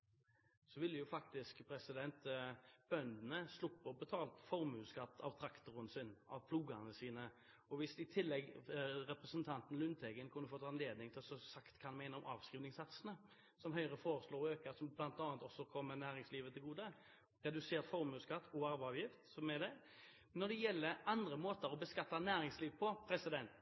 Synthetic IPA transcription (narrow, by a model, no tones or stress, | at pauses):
sɔʋɪlːəjʊfɑkt̪ɪskpʰɾɛsɪd̪ɛnt̪b̥œnd̪n̩əslʊpːəɔbət̪ʰɑːlt̪fɔɾmʉːskɑt̪ːɑ̰ʋt̪ʰɾɑkt̪ʊɾənsɪnɑ̰ʋpʰluːɡəʁnəsiːnə | ɔʋɪsɪt̪ʰɪlːɛɡɾɛpɾəsənt̪ʰɑnt̪n̩lʉnt̪ʰɛɡənkʰʉnːəfoːt̪ʰɑːɛnleːd̪nɪŋt̪ʰɪlsɔsɑkt̪kʰɑnmæɪnəɔmɑːʋskʁiːʋnɪŋsɑt̪sənə | sɔmɦœʏɾəfoːɾəsloːɾøːkəɾsɔmblɑnt̪ɑːnt̪ɔsːɔkʰɔmːənæːɾɪŋsliːʋət̪ʰɪlɡuːd̪ə | ɾɛd̪ʉseːɾt̪fɔɾmʉːskɑt̪ːɔɑɾʋɑːʋjɪft̪sɔmɛd̪ɛ | nɔd̪ɛjɛlːəɾɑnd̪ɾəmoːt̪əɾɔbəskɑt̪ːɑnæːɾɪŋsliːʋpʰɔpʰɾɛsɪd̪ɛnt̪